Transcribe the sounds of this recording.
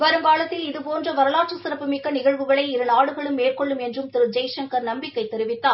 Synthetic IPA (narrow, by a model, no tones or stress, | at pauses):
ʋɐɾɯmkaːɭɐt̪ːɪlɪðɯpoːndrɐʋɐɾɐɭaːʈʂɐsɪɾɐpːɯmɪkːɐnɪɣɐɻʋɯɣɐɭɐɪɪɾɐnaːɽɯɣɐɭɯmːeːrkɔɭːɯmɛndrɯmt̪ɪɾɯd͡ʒɐɪʂɐŋkɐɾnɐmbɪkːɐɪt̪ːɛɾɪʋɪt̪ːaː